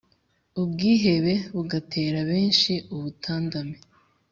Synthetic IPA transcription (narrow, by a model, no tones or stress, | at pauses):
ubɡiːɦe̞βe̞βuɡatʰe̞ːɾaβe̞ːnʃiuβutʰaːndame